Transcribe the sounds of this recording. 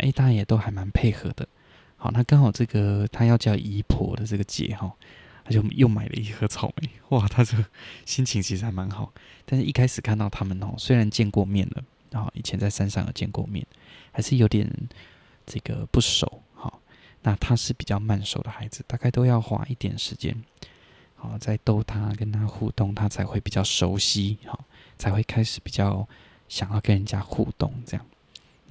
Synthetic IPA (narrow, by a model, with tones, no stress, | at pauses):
ʔḛ˥˧ɪt̪a˥˩ɻa˧˩njɛ˨˩t̪o˥ʊxa˧˥ɪma˧˥npʰe˥˩ɪxɤ˧˥d̪ə̰˨ | xɑ̰˨˩˦na˥˩ka˥ŋxɑ˨˩ʊʈ͡ʂɤ˥˩ɡə˩t̪ʰa˥jɑ˥˧ʊt͡ɕjɑ˥˩ʊʔi˧˥pʰwɔ̰˧˥d̪ə˨ʈ͡ʂɤ˥˩ɡə˩t͡ɕjɛ̰˨˩˦xɑ˧˩ | a˥t͡ɕjo˥˩ʊjo˥˩ma̰˨˩ɪlə̰˧i˥˩xɤ˧˥t͡sʰɑ˨˩ʊme˨˩˦ɪwa˨˩t̪ʰa˥t͡ɕjo˥˩ʊɕi˥nt͡ɕʰi˧˥ŋt͡ɕʰi˧˥ʂɻ̩˧˩a˧˥ɪma˧˥nxɑ˨˦ʊt̪nʂ̩˥˩ʔi˥˩kʰa˥ɪʂɻ̩˨˩kʰa˥˧nt̪ɑ˥˩ʊt̪ʰa˥mə˨nxɑ̰˥˨˩swe˥ɪɻa˧˦nt͡ɕjɛ˥˧nkwɔ˥˧mjɛ˥˩nd̪ə̰˩ | xɑ̰˨˩ḭ˨˩t͡ɕʰjɛ˧˥nt͡sa˥˩ɪsa˥˦nʂɑ˥˧ŋə̰˨˩t͡ɕjɛ˥˧nkwɔ̰˥˧mjɛ̰˥˩n | xa˧˥ɪʂɻ̩˥˩˨jo˧˥ʊt̪jɛ̰˨˩n˦ | ʈ͡ʂɤ˥˩ɡə̰˩pu˥˩ʂo̰˨˩˦ʊ | xɔ̰˨˩ | na˥˧t̪ʰa˦ʂɻ̩˥˩pi˨˩t͡ɕjɑ˥˧ʊma˥˩nʂo˨˩ʊd̪ə˩xa˧˥ɪd͡zɹ̩˨˦t̪a˥˧ka˥˧ɪt̪o˥ʊjɑ˥˨˧ʊxwa̰˧˥ʔi˥˩t̪jɛ̰˨˩nʂɻ̩˧˦t͡ɕjɛ̰˦n | hɔ˥˩t͡sa˥˧ɪt̪o˥˧ʊt̪ʰa˦kə˦nt̪ʰa˦xṵ˥˧t̪ʊ˥˩ŋt̪ʰa˦˥t͡sʰa˧˥ɪxwe˥˩ɪpi˨˩t͡ɕjɑ˥˩ʊʂo˧˥ʊɕi˦˥xɔ˥˩t͡sʰa˧˥ɪxwe˥˩ɪkʰa˥ɪʂɻ̩˨˦pi˨˩t͡ɕjɑ˥˩ʊ | ɕjɑ˨˩ŋjɑ˥˩ʊkə˦nɻə˧nt͡ɕja˦xṵ˥˧t̪ʊ̰˥˩ŋʈ͡ʂɤ˥˧jɑ̰˥˩ŋ